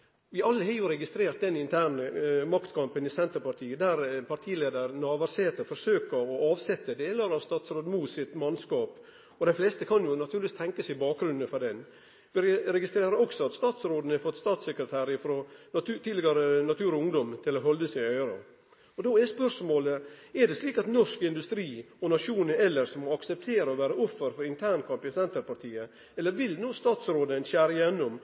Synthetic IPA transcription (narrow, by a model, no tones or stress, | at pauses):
ʋɪɑlːəhɑjʊɾɛɡɪst̪ɾeːɾt̪̚d̪ɛnɪnt̪ʰæːɳəmɑkt̪kʰɑmpənɪsɛnt̪əɾpɑʈ̪ʰiːəd̪æɾpʰɑʈ̪ʰiːleːd̪əɾnɑːʋɑɾseːt̪əfɔʂøːkəɾɔʔɑːʋsɛt̪ːəd̪eːləɾɑʋst̪ɑːt̪sɾoːd̪muːsɪt̪mɑnskɑːp | ɔd̪ɛflɛst̪əkʰɑnjʊnɑt̪ʰʉːlɪʋist̪ʰɛŋkəsɪbɑːk̚ɡɾʉnːəfɔɖ̪ɛn | ʋɪɾɛɡɪst̪ɾeːɾəɾɔksɔɑt̪st̪ɑːt̪sɾoːd̪ən̩hɛfɔt̪ːst̪ɑːt̪sɛkɾət̪ʰæːɾɪfɾot̪ʰɪd̪lɪɡɑɾənɑt̪ʰʉːɾɔʊŋd̪ɔmt̪ʰɪlɔɦɔld̪əsɪnœʏɾo̰ | ɔd̪oːɛspœʂmoːləɛɖɛsliːkɑt̪nɔʂkɪnd̪ʉst̪ɾiːɔnɑʂuːnəɾɛlːəɾsɔmɔɑksɛp̚t̪ʰeːɾəɔʋæːɾəʔɔfːəɾfɔɾɪnt̪ʰæːɳkʰɑmpɪsɛnt̪əɾpɑʈ̪ʰiːə | ɛlːəɾʋɪlnoːst̪ɑːt̪sɾoːd̪ənɕæːɾɪjɛnːɔm